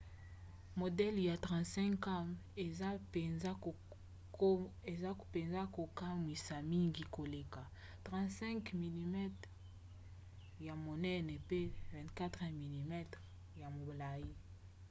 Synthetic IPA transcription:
mo˨dɛ˦lja˨tʁã˨ntsɛ̃˦ŋka˦me˨za˦e˨a˦˨˦ | e˨za˦pe˨nza˦ko˨ka˦mi˨sa˨mi˦ŋɡi˦ko˨le˨ka˨ | tʁã˨ntsɛ̃˦ŋkmi˨li˨mɛ˦t | ja˨mo˨nɛ˦ne˨pe˦vɛ̃˨ntka˦tʁe˨mi˨li˨mɛ˦tʁ | ja˨mo˨bla˨i˦

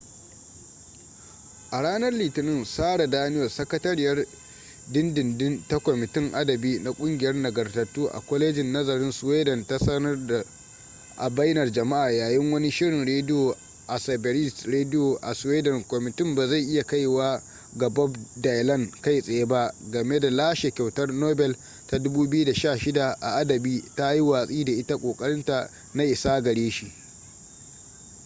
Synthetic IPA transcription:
ʔa˨ɽaː˦nɐ˦rliː˨tɪ˨nɪ˦˨nsaː˦ɽa˨daː˦nɪ˦jɐ˨sɐ˦kɐ˦tɐ˦ɾɪ˦jɐ˦r | dɪ˦ndɪ˨ndɪ˦nta˦kʷɔ˨mɪ˨tɪ˦ŋʔa˦dɐ˨biː˦na˨kʷʼʊ˦ŋɡʲɪ˨jɐ˦rnɐ˨ɡɐ˨rtɐ˨tːuː˦ʔa̰˨kʷɔ˦leː˦d͡ʒɪ˨nːɐ˦zɐ˨ɾɪ˦nsweː˦dɐ˨nta˦sɐ˦nɐ˦rda˨ | ʔa̰˨ba˦jnɐ˨rd͡ʒɐ˨ma˦ʔaː˨jaː˨jɪ˦ŋwɐ˦ni˦ʃɪ˦ɽɪ˨nɽeː˦dɪ˦jo˨ | ʔa˨sɐ˨bɛ˨ɾɪ˦˨sɾeː˦dɪ˦jo˨ʔa̰˨sweː˦dɐ˨ŋkʷɔ˨mɪ˨tɪ˦mbaː˨za˦˨jʔɪ˦ja˨ka˦jwaː˦ | ɡɐ˨bɔ˦bda˨jlɐ˦˨nka˦jsʼe˨je˦ba˦ɡɐ˨me˦da˨laː˦ʃe˨kʲa˨wtɐ˦rnoː˦bɛ˨l | ta˨dʊ˦buː˦bɪ˦ju˦da˨ʃaː˦˨ʃɪ˦da˨ʔa˨ʔa˦dɐ˨biː˦ta˦ji˦waː˨sʼiː˦da˨ʔɪ˦ta˦kʷʼoː˨kʼɐ˦ɽɪ˦nta˨ | na˦ʔɪ˨saː˦ɡɐ˨ɽeː˦ʃi˦ʔ

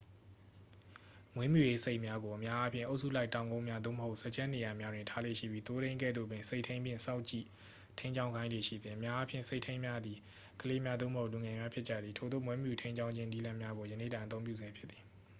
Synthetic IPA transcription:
mwẽ˦mju˨je˦se˦ɪʔmja˦ɡo˨ʔəmja˦ʔa˦pʰjɪ̰̃˦˨ʔo˦ʊʔsṵ˦˨la˦ɪtã˨ʊ̃ŋɡõ˦ʊ̃mja˦d̪o̰˦˨məho˦ʊʔsɛ˦˨t͡ɕɛ̃˦ne˨ja˨mja˦dwɪ̃˨ntʰa˦lḛ˦˨ʃḭ˦˨bji˦t̪o˦ɾẽ˦ɪ̃ŋkɛ̰˦˨d̪ðo̰˦˨bwɪ̃˨nse˦ɪʔtʰẽ˦ɪ̃mbjɪ̃˦˨sa˦ʊʔt͡ɕḭ˦˨ | tʰẽ˦ɪ̃ɲd͡ʑã˦ʊ̃ŋɡã˦ɪ̃ndwe˨ʃḭ˦˨d̪ðĩ˨ʔəmja˦ʔa˦pʰjɪ̃˨se˦ɪtʰẽ˦ɪ̃mja˦d̪i˨ | kʰəle˦mja˦d̪ðo̰˦˨məho˦ʔlu˨ŋɛ˨mja˦pʰjɪ˦t͡ɕä̰˦˨d̪ði˨tʰo˨d̪ðo̰˦˨mwẽ˦mju˨tʰẽ˦ɪ̃ɲd͡ʑã˦ʊ̃ɲd͡ʑɪ̃˦ni˦lã˦mja˦ɡo˨jə˨nḛ˦˨dã˨t̪õ˦ʊ̃pjṵ˦˨zɛ̃˨pʰjɪ˦t̪t̪ːi˨

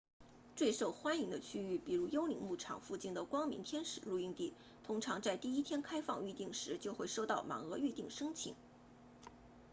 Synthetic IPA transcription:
ʈ͡ʂwe˥˧ɪʂo˥˩ʊxwa˥ni˧˥ŋd̪ə˧t͡ɕʰy˥y˥˩pi˨˩ɻu˧˥jo˥ʊli˧˥ŋmu˥˩ʈ͡ʂʰɑ̰˨˩ŋfu˥˧t͡ɕi˥˩nd̪ə˨˩kwɑ˥ŋmḭ˧˥ŋt̪ʰjɛ˥nʂɻ̩˨˩ɻu˥˧i˥˧ŋt̪i˥˩ | t̪ʰʊ˥ŋʈ͡ʂʰɑ˧˥ŋt͡sa˥˧ɪt̪i˥˩i˥t̪ʰjɛ˥nkʰa˥ɪfɑ˥˧ŋy˥˧t̪i˥˩ŋʂɻ̩˧˥t͡ɕjo˥˧ʊxwe˥˧ɪʂo˥˧ʊt̪ɑ˥˩ʊma̰˨˥ŋɤ˧˥y˥˧t̪i˥˩ŋʂɤ˥ŋt͡ɕʰḭ˨˧˥ŋ

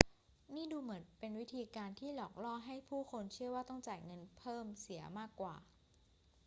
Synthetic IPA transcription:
niː˥˩duː˧mɯ˩˦ənpe˧nwi˦˥t̪ʰiː˧kaː˧nt̪ʰiː˥˩lɔː˨˩k̚lɔː˥˩ɦa˥˩jpʰuː˥˩kʰo˧nt͡ɕʰɯ˥˩əwaː˥˩t̪ɔ˥˩ŋt͡ɕaː˨˩jŋɤ˧npʰɤː˥˩msi˩˦ɐmaː˥˩kːwa̰ː˨˩

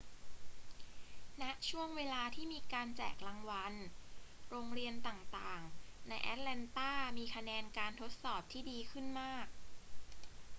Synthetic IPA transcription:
na˦˥ʔt͡ɕʰu˥˩əŋweː˧laː˧t̪ʰiː˥˩miː˧kaː˧nt͡ɕɛ̰ː˨˩k̚la˧ŋwa˧n | ɾoː˧ŋɾi˧ənt̪aː˨˩ŋt̪aː˨˩ŋna˧jʔɛ̰˦˥t̪̚lɛ˧nt̪aː˥˩miː˧kʰa˧nɛː˧nkaː˧nt̪ʰo˦˥t̪̚sɔː˨˩p̚t̪ʰiː˥˩diː˧kʰɯ˥˩nmaː˥˩k̚

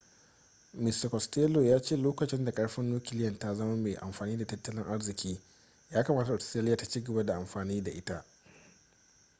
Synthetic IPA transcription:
mɪ˨sta˨kɔ˨steː˦lo˨jaː˦t͡ʃeː˦˨loː˦kɐ˨t͡ʃɪ˦nda˨kʼɐ˦ɽɸɪ˦nːuː˦kʲɪ˨lɪ˦jɐ˨nta˦zɐ˦mɐ˦meː˨ʔa̰˨mɸaː˨niː˦da˨tɐ˦tːɐ˦lɪ˦ŋʔa˦ɽzɪ˨kʲʰiː˦ | jaː˦ka˨maː˦ta˨ʔɔ˨sta˦lɪ˦jaː˨tḁ˨˦t͡ʃiː˦ɡɐ˨ba˦da˨ʔa˨mɸaː˨niː˦da˨ʔɪ˦ta˦ʔ

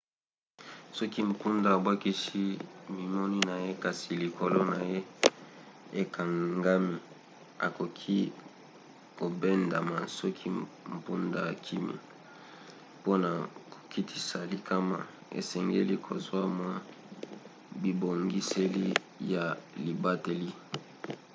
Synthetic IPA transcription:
sɔ˦ki˦m̩˨pu˦nda˨bwa˦ki˦si˦mi˨mɔ˦ni˦na˨je˦ka˨si˨li˨ko˨lo˦na˨je˦ | e˨kʰa˨ŋŋɡa˦mi˦ | a̰˨ko˨kʰi˦ | ko˨be˦nda˨ma˨sɔ˦kʰi˦ | m̩˨pu˦nda˨kʰi˦mjḛ˨ | po˦na˨ko̥˨kʰi˦tʰi˦sa˨li˨kʰa˦ma̰˨ | ḛ˨sɛ˨ŋɡḛ˦li˦kʰo˨zwa˦mwa˦ | bi˨bo˨ŋɡi˦se˦li˦ | ja˨li˨ba˦te˨li˦

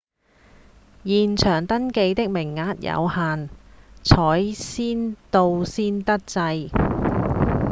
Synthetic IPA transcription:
jiː˨nt͡ʃʰœː˨˩ŋt̪ɐ˥nke˧jt̪ɪ˥k̚mɪ˨˩ŋːaː˨˥t̚jɐ̰˨˧whaː˨nt͡sʰɔː˨˥jsiː˥nt̪o˧wsiː˥nt̪ɐ˥k̚t͡sɐ˧j

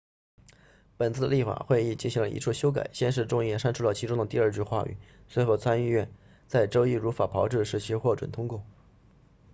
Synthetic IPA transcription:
pə˨˩nt͡sʰɹ̩˥˩ə˧li˥˩fa̰˨˩xwe˥˧ɪi˥˧t͡ɕi˥˩nɕi˧˥ŋlə̰˧ḭ˧˥ʈ͡ʂʰu˥˩ɕjo˥ʊk̬a̰˨˩ɪɕjɛ˥nʂ̬ɻ̩˥˧ʈ͡ʂʊ˥˧ŋjɛ˥˩ʂa˥nʈ͡ʂʰu˥lɑ˥˩t͡ɕʰi˧˥ʈ͡ʂʊ˥ŋd̪ə˨t̪i˥˧ə˞˥˧t͡ɕy˥˧xwa̰˥˧y̰˥˩swe˥˧ɪxo˥˩ʊt͡sʰa˥ni˥˧ɥɛ˥˩n | t͡sa˥˩ɪʈ͡ʂo˥ʊi˥˩ɻu˧˥fa˨˩pʰɑ˧˥ʊʈ͡ʂɻ̩˥˩ʂɻ̩˥˩t͡ɕʰi˧˥xwɔ˥˩ʈ͡ʂwə̰˨˩nt̪ʰʊ˥ŋkwɔ˥˩

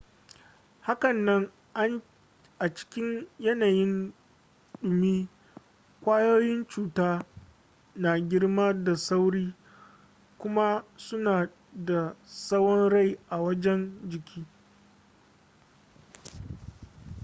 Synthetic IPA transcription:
ha˦kɐ˨nːɐ˦ŋ | ʔa˦ | ʔa˨t͡ʃɪ̥˦kʲɪ˦ɲjɐ˦naː˨jɪ˦n | ɗʊ˨miː˦ | kʷaː˦joː˦jɪ˦nt͡ʃuː˨taː˦ | na˨ɡʲɪ˦ɽmaː˦da˨sa˦wɽiː˦ | kʷʊ˦ma˦sʊ˦naː˨ | da˨sɐ˦wɔ˦nɽa˦˨jʔa˨wɐ˦d͡ʒɛ˦nd͡ʒɪ˨kʲiː˦

